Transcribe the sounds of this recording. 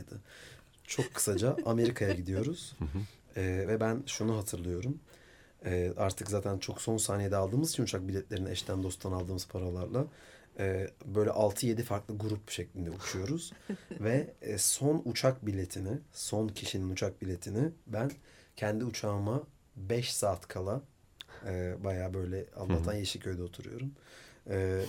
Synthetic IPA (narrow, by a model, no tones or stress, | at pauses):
d̪ɯ | t͡ʃʰo̞kʰːɯ̥sad͡ʒaʔame̞ɾikʰajaɟid̪ijo̞ɾuz̥ | ɛːvɛbænʃunuɦat̪ʰɯɾlˠɯjo̞ɾum | ɛːʔaɾt̪ʰɯkzaːt̪ʰænt͡ʃʰo̞kso̞nsaːnijed̪ɛalˠd̪ɯːmɯz̥t͡ʃʰinut͡ʃʰak̚bilʲɛt̪lʲe̞ɾinɛʃt̪ʰænd̪o̞st̪ʰanalˠd̪ɯːmɯz̥pʰaɾalˠaɾlˠa | ɛːbøjlʲɛ̰ʔalˠt̪ʰɯje̞d̪ifaɾklˠɯɡuɾupʃeclʲind̪ɛut͡ʃʰujo̞ɾuz̥vɛso̞nut͡ʃʰakbilʲe̞t̪ʰinɪso̞ncʰiʃininut͡ʃʰak̚bilʲe̞t̪ʰinɪbæncʰɛnd̪iut͡ʃʰaːma | bɛʃsaːt̪kʰalˠa | ɯːbajaːbø̞jlʲɛa̰nˠaːht̪ʰanjeʃicʰø̞jd̪ɛot̪ʰuɾṵjo̞̰ɾumɛː